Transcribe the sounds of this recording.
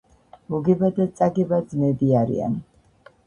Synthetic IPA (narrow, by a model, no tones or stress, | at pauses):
muɡɛbad̪at̪sʼaɡɛbad̪zmɛbiaɾḭa̰n